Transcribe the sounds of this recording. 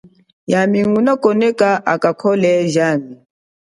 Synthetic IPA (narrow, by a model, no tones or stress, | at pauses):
jamiŋunakʼɔnɛkʼaʔakʼakʰɔlɛʒaːmi